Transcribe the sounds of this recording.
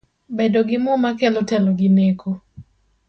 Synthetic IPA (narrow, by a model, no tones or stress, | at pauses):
bedoɡɪmɔmakɛlɔtɛlɔɡɪneko